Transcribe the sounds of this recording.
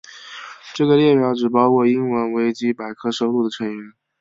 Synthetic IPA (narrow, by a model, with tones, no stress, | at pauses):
ʈ͡ʂɤ˥˩ɡə˩ljɛ˥˩pjɑ˧˥ʊʈ͡ʂɻ̩˨˩pɑ˥ʊkʰɔ˥˩i˥ŋwə˧˥nwe˧˥ɪt͡ɕi˥pa˨˩ɪkʰɤ˥ʂo˧˥ʊlu˥˩d̪ə˩ʈ͡ʂʰə˧˥ŋy˧˥n